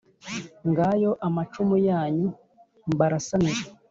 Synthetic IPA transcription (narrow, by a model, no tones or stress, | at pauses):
ŋɡajo̞ʔamat͡ʃumujaːɲu | mbaɾasaniɾe